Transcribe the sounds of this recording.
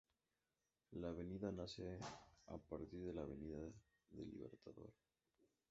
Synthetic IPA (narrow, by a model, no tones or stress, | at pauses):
laβ̞eniðanasea̰paɾt̪iɾðelaβ̞eniða | ðḛlḭβḛɾt̪aðo̞̰ɾ